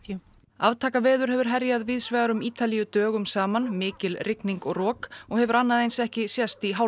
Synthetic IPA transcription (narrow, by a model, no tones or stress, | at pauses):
avt̪ʰaːkavɛːðʏɾ̥ɦɛvʏɾ̥ɦɛɾjaðvɪðsvɛːɣaɾʏmiːt̪alijʏt̪œːɣʏmsaːmanmɪːcɪlrʔɪkniŋkɔɣrɔːkɔɣhɛvʏɾanːaðejnsɛhcɪsjɛst̪iɦa